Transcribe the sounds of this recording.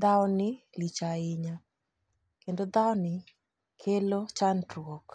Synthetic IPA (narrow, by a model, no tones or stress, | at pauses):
d̪aɔnɪlit͡ʃaɪɲa | kendod̪aɔnɪ | kʰelot͡ʃandɾok